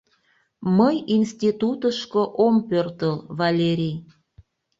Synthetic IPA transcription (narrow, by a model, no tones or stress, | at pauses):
məjinst̪ʲit̪ut̪əʃkoʔompørt̪əlβalʲeɾʲij